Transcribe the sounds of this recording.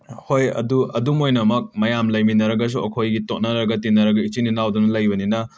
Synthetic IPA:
hojɐ̰duɐ̰dumojnɐmɐk̚mɐjamlɐjminɐɾɐɡɐs̬uɐkʰojɡitok̚nɐɾɐɡɐtinɐɾɐɡɐit͡ʃininawdunɐlɐjbɐninɐ

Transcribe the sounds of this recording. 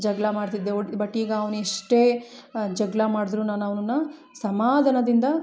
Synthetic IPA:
d͡ʒɐɡlɐmaːɽt̪id̪ːebɐʈːiːɡɐːʋnueʂʈe̞ːd͡ʒɐɡlɐmaːɽid̪ɾuːnaːnɐʋnɐnːɐ | sɐmaːd̪ʱɐnɐd̪ind̪ɐ

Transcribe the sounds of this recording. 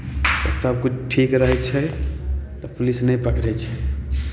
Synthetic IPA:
t̪ɔsəbkut͡ʃʰʈʰikɾəɦɛt͡ʃʰɛ | t̪ɔpʰlisnəĩpəkʰɾɛt͡ʃʰɛ

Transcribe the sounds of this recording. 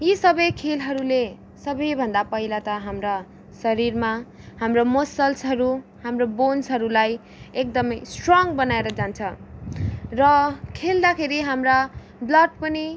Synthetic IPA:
jisʌbʌjkʰelɦʌɾule | sʌbʌjbʱʌnd̪apʌilat̪ʌɦamra | sʌɾirma | hamromosʌlsɦʌɾuhamrobonsɦʌɾulaj | ek̚d̪ʌmʌjsʈrʌŋbʌnaeɾʌd͡zant͡sʰʌ | rʌkʰeld̪akʰeɾiɦamra | blʌʈ̚pʌni

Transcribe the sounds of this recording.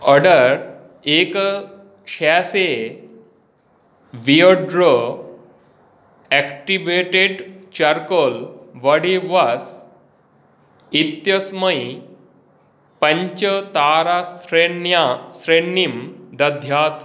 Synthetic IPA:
əɖəɾ | ek | ɕase | ʋioɖɾo | ɛkʈiʋeʈeɖt͡ɕaɾkolʋəɽiʋas | it̪jəsməj | pɐ̃ɲt͡ɕət̪aɾaɾeasɾeɳimd̪ɐd̪ʱjaːt̪

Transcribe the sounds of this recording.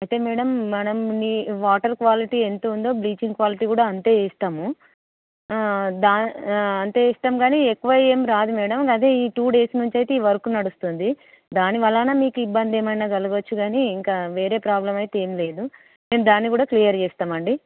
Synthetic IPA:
ɐjt̪e̞ːmɛːɽɐmːɐnɐmniʋaːʈɐɾkʋaːliʈiːent̪oːund̪o̞ːbɾiːt͡ʃiŋɡkʋaːliʈiːkuːɽaːɐnt̪e̞ːeːst̪aːmu | d̪aːɐnt̪e̞ːɛːst̪aːmɡaːniekːuʋɐjeːmɾaːd̪umɛːɽɐmɡaːt̪eiːʈuːɖe̞ːsnuɲt͡ʃɐjt̪e̞iːʋɐɾkunɐɽust̪und̪i | d̪aːniʋɐlːaːnaːmiːkuibːɐnd̪eːmɐjnaːɡɐluɡʋɐt͡ʃːuɡaːniːŋkaːʋe̞ːɾe̞ːpɾaːblɐmɐjt̪eːmile̞ːd̪u | neːmud̪aːnːikuːɽaːklijɐɾt͡ʃɛːst̪aːmɐɳɖi

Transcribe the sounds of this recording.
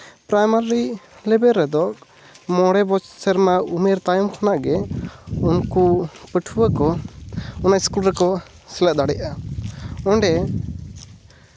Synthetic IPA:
pɾajmaɾilɛbɛɾːɛd̪ɔ | mɔɽɛbɔt͡ʃsɛɾmaumɛɾt̪ajɔmkʰanaʔɡɛunkupəʈʰuwakɔ | ɔnaiskulɾɛkɔ | sɛlaʔ̚d̪aɽɛʔa | ɔ̃ɳɖɛ

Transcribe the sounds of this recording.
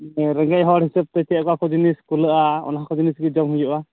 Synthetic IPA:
ɾɛŋɡɛʔɦɔɽhisab̚t̪ɛt͡ʃɛkɔakɔd͡ʒiniskuləʔaɔ̰naɦakɔd͡ʒinisɡɛd͡ʒɔmɦujɔʔa

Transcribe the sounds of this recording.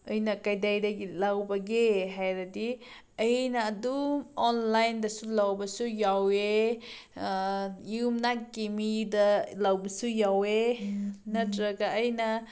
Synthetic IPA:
ɯjnɐkajdajdɐɡilawbaɡeɦajɾadi | əjnaːdumɔnlajndɐsulawbɐsujawe | jɯmnakemidalawbɐsujawe | natɾɐɡaʔːjna

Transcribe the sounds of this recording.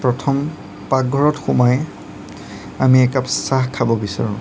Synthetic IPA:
pɹɔtʰɔm | pak̚ɡʱɔɹɔtxumaj | amiɛkapsaxkʰabɔbisa̰ɹʊ̃

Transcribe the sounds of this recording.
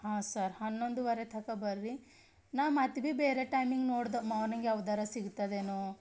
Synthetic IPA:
ɦaːsɐɾhɐnːo̞ɳɖuʋɐɾet̪ʰɐkɐbɐɾɾi | naːmɐt̪bibeːɾeʈɐjmiŋɡnoːɽd̪ɐmɐʋnɐŋɡeɐʋɐd̪aɾɐsiɡt̪ɐd̪eːnu

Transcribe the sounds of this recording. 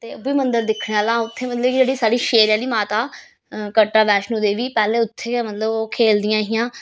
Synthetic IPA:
t̪eːoʋiːmənd̪əɾd̪ɪkʰːɽ̃aːlãːʊt̪ʰːeːmət̪ləbd͡ʒeːɽiːsaːɽiːʃeːɾjãːliːmaːt̪aː | kəʈːaːʋɛːʃnũːd̪eːʋiːpɛːleːʊt̪ʰːeːmət̪ləboːkʰeːld̪ɪjãːɦɪjãː

